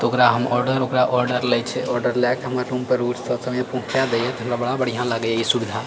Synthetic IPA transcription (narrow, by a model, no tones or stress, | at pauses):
t̪okɾaɦəmɔɾɖəɾokɾaʔɔɾɖəɾlɛjt͡ʃʰɛɔɾɖəɾlɛkt̪ɔɦəmaɾːuːmpəɾuːʈsəsəmẽpõkʰjad̪eɛt̪ɦəmɾabəɽabəɽ̤ijãlaɡəeisubd̪ʱa